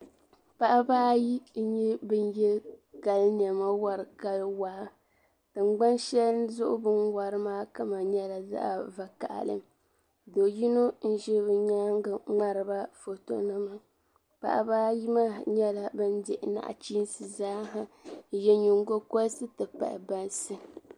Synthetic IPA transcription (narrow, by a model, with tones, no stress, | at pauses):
pa˦ʔa˦baː˦ji˦ɲɛ˦bɨ˦njɛ˦ka˨ln˨ɛ˨ma˦wa˨ɾɨ˨ka˦lwa˨˦ | tɨ˨ŋ͡mɡ͡ba˦nʃɛ˦ln˦zʊ˦ʔʊ̰˦bɨ˦nwa˨ɾɨ˦maː˦ka˦ma˨ɲɛ˦la˨za̰˦ʔa˨va˨ka̰˨ʔlɨ̰˦m | do˨ji˦no˦n̩˦ʒɛ˦bɨ˨ɲaː˦ŋ˦ɡa˨ŋ͡ma˦ɾɨ˨ba˦fo˨to̰˦nɨ˦ma˨ | pa̰˨ʔa̰˨ba˦ji˦ma˦ɲɛ˦la˨bɨ˦n˦dɪ˨ʔɪ˨na̰˨ʔa̰˨t͡ʃiː˦n˦sɨ˨zaː˦ɦa˦jɛ˦ɲu˨ŋɡo˦kɔ˦lsɨ˦tɨ˨pa̰˨ɪ̰˨ba˦nsɨ˦